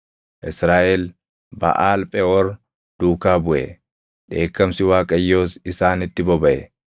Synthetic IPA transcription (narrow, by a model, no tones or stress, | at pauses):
ʔɪsɾaːʔɛl | bɐ̰ʔaːlpʼɛɔɾ | d̪̥uːkaːbʊʔɛ̰ | ᶑe̞ːkːɐmsɪwaːkʼɐjːo̞ːsɪsaːnɪt̪ːɪbɔbɐʔɛ̰